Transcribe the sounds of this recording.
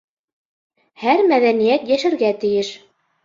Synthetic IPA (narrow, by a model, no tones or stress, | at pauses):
hæɾmæðænijæt̪jæʃɘ̆ɾɡæt̪ɘ̆jɘʃ